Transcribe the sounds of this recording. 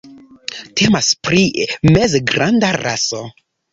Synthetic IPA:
tʰemaspɾimezɡɾandaɾa̰so

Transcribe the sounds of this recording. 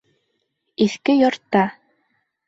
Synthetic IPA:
iθkɘjɒɾt̪ːɑ

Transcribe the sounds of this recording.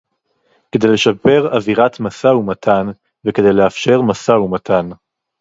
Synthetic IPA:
ke̞d̪e̞jle̞ʃape̞ʁaviʁatmasaumatʰan | veke̞d̪e̞jle̞afʃe̞ʁmasaumatʰan

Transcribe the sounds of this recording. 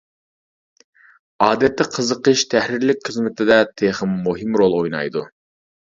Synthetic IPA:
ɑːd̪ɛt̪ːɪqʰəzəqəʃt̪ʰæhɾɪɾlɪkʲχəzmɪt̪ʰɪd̪ɛt̪ʰeχəmːuɦɨmɾolˠojnɑ̰jd̪u

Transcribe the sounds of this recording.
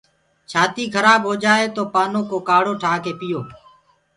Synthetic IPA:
t͡ʃʰaːt̪iːkʰəɾaːbɦoːd͡ʒaːeːt̪oːpaːnoːkoːkaːɽoːʈʰaːkeːpɪjoː

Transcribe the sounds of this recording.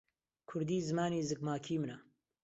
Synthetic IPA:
kʰʊɾd̪iːzɨmaːniːzɨk̚maːkʰiːmɨna

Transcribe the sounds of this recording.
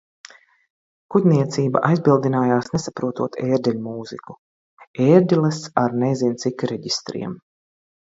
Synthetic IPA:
kud̪ʲniɛt̪siːba̰ʔajzbilˠd̪inaːjaːsnesapɾuɔt̪uɔt̪ʰeːɾd̪ʲɛlʲmuːziku̥ | eːɾd̪ʲilˠɛsaɾnɛjzint̪sikɾɛɟist̪ɾḭɛm

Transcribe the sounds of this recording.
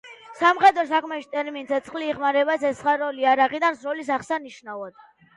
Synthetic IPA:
samχɛd̪ɾɔs̬akʰmɛʃi̥t̪ʼɛɾmint̪sʰɛt̪sʰχliːʁmaɾɛbasɛsχaɾɔliaɾaʁid̪ansɾɔlis̬aχsaniʃnavad̪̥

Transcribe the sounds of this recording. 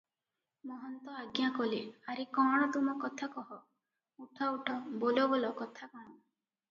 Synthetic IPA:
mɔɦɔnt̪ɔaɡjakɔleaɾikɔɽ̃ɔt̪umɔkɔt̪ʰakɔɦɔ | uʈʰauʈʰɔbolɔbɔlɔkɔt̪ʰakɔɽ̃ɔ

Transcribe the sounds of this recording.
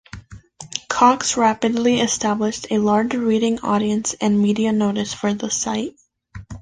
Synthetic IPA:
kʰɑksɹæpɨdˡliɨstæblɨʃtʰɨlɑɹd͡ʒɹiɾɪ̃ŋɔ̰ɾiɨ̃nsɨ̃nmiɾiɨnoʊɾɨsfə˞ðəsaɪt̚

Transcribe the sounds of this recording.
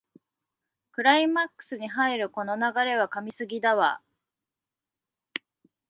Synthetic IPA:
kɯ̟ɾaimakːɯ̥sɨɲ̟iɦaiɾɯ̟ko̞no̞naɡaɾe̞β̞akamʲisɨɡʲid̪aβa̰

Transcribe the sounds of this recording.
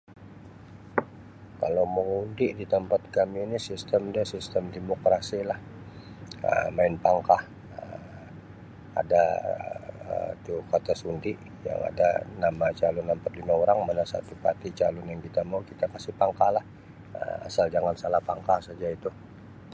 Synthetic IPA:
ka̰lawməŋundɪʔdit̪əmpat̪̚kamiːnisist̪əmdasist̪əmdemokɾasilah | ə̰maɪnpaŋkah | ə | a̰da | ə̰it̪ukat̪asundɪʔ | ja̰ŋa̰da̰namat͡ʃalʊnampat̪limaoɾaŋmanasa̰t̪upa̰t̪it͡ʃalʊnjaŋkit̪amaukit̪akasɪhpaŋkalah | ə̰ma̰sald͡ʒaŋansalahpaŋkahsad͡ʒait̪u

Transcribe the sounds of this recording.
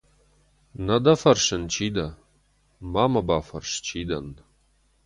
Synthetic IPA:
nɐd̪ɐfɐrʃɪnt͡ʃʰiːd̪ɐ | maːmɐbaːfɐrʂt͡ʃʰiːd̪ɐn

